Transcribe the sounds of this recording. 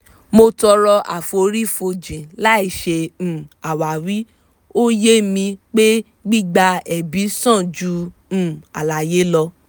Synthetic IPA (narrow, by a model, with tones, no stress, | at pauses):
mo˧tɔ˧ɾɔ˧ʔa̰˨fo˧ɾi˦fo˧d͡ʒĩ˨la˦i˦˨ʃẽ˧˨a˨wa˨ɾi˨˦ | o˦je˦mĩ˧k͡pe˦ | ɡ͡bi˦ɡ͡ba˧ɛ˨bi˨˦sã˦˨d͡ʒũ˧˦˨ | a̰˨la˨je˨˦lɔ˧